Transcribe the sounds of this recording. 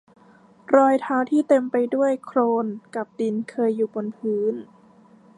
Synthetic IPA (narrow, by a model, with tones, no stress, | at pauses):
ɾɔː˧jt̪ʰaː˧wt̪ʰiː˥˩t̪e˧mpa˧jdu˥˩əjkʰɾoː˧nka˨˩p̚d̪i˧nkʰɤː˧jːuː˨˩bo˧npʰɯː˩˦˥n